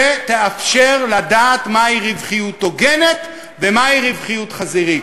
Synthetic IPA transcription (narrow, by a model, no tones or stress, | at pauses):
et̪eafʃeʁlad̪aːt̪maiʁivχijut̪ːoɡe̞net | vemaiʁivχijut̪χaziʁi